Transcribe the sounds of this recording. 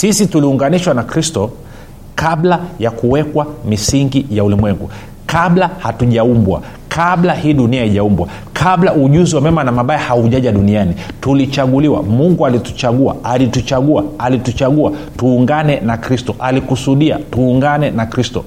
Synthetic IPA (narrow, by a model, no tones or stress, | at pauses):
sisituliuŋɡaniʃwanakɾistɔ | kablajakuwɛkwamisiŋɡijaulimwɛŋɡṵ | kaɓlahatuʄaumbwa̰ | kʰaɓlahiːɗuniaiʄaumbwa̰ | kʰaɓlauʄuziwamɛmanamaɓajahauʄaʄaɗunianitulit͡ʃaɠuliwa̰muŋɡualitu̥t͡ʃaɠua̰alitut͡ʃaɠuaalitut͡ʃaɠua | tuːŋɡanɛnakɾistɔʔalikusuɗia̰tuːŋɡanɛnakɾistɔ